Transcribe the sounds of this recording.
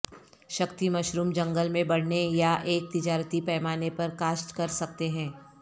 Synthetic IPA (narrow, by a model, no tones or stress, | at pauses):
ʃɐkt̪imɐʃɾuːmd͡ʒɐ̃ŋɡəlmẽbɐɽ̤nejaʔeːk̚t̪ɪd͡ʒaːɾət̪ipɛːmaːnepɐɾkaːsʈkɐɾsɐk̚t̪eɦɛ̃ː